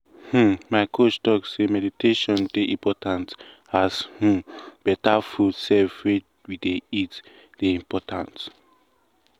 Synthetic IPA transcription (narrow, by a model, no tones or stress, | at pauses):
h̩maɪkʰot͡ʃtɔksemɛditʰeʃɔ̃ndeʔĩmpʰɔtãnt | hashũb̥ɛtafudsɛfwe | wideit | d̥eĩmpɔtʰãnt